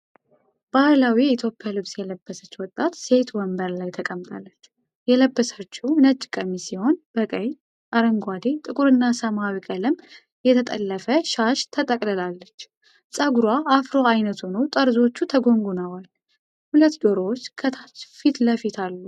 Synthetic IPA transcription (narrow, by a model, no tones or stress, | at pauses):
b̥alawiit̪ʰjo̞pʼːijalɨβsjɛləbːəsət͡ʃːwɔt̪ʼːat̪se̞t̪wəmbəɾlajt̪ʰəkʼəmt̪ʼalːət͡ʃː | jɛləbːəsət͡ʃːunət͡ʃʼːɪkʼəmisiho̞nb̥əkʼəɲ | ʔaɾəŋɡʷad̪et̪ʼɨkʼuɾɨnːasəmawikʼəlɨm | jɛt̪ʰət̪ʼə̰lːəfəʃaʃt̪ʰət̪ʼəkʼlɨlalːət͡ʃː | sʼaɡuɾwaʔːfɾoajnət̪ʰunowt̪ʼəɾzo̞t͡ʃːut̪ʰəɡo̞ŋɡunəwal | hulət̪ːd̪oɾowot͡ʃːkʰət̪ʰat͡ʃfit̪ləfit̪ʰalːu